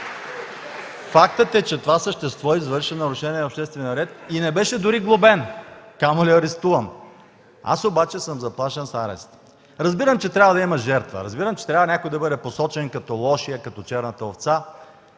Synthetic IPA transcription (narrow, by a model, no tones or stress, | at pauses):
fak̚t̪ət̪ɛt͡ʃɛt̪ovasəʃt̪ɛst̪vɔizvɤɾʃinɐɾʊʃɛniɛopʃt̪ɛst̪vɛnʲəɾɛt̪inɛbɛʃɛd̪ʊɾiɡlˠʊbɛnkamoliɐɾɛst̪uvɐm | a̰sobat͡ʃɛsəmzɐplˠaʃɛnsaɾɛ̰st̪ | ɾɐzbiɾəmt͡ʃɛt̪ɾʲabvəd̪ɐimɐʒɛɾt̪və̰ɾɐzbiɾəmt͡ʃɛ̥t̪ɾʲabvɐnʲakojd̪ɐbɤd̪ɛposɔt͡ʃɛnkɐt̪ɔlˠɔʃijəkɐt̪ɔt͡ʃɛɾnət̪əoft̪sa